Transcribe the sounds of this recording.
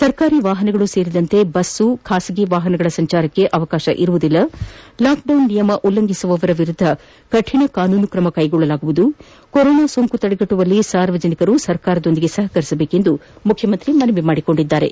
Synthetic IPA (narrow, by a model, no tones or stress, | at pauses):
sɐɾkaːɾiːʋaːɦɐnɛɡɐɭuse̞ːɾid̪ɐnt̪e̞bɐsːukʰaːsiɡiʋaːɦɐnɐɡɐɭɐsɐɲt͡ʃaːɾɐkːe̞ʔɐʋɐkaːʃɐ̰ʔiɾuʋud̪ilːɐlaːk̚ɖɐwnːijɐmɐʔulːɐŋɡʱisuʋɐːʋɐɾɐʋiɾud̪ʱːɐ | kɐʈʰiɳɐkaːnuːnukɾɐmɐkɐjɡɔɭːɐlaːɡuʋud̪u | kɔɾɔːnaːsoŋkut̪ɐɽeɡɐʈːuʋɐlːisaːɾʋɐd͡ʒɐnikɐɾusɐɾkaːɾɐd̪o̞nd̪iɡe̞sɐɦɐkɐɾisɐbeːke̞nd̪umukʰjɐmɐnt̪ɾimɐnɐʋimaːɽiko̞ɳɖid̪ːaːɾe̞̰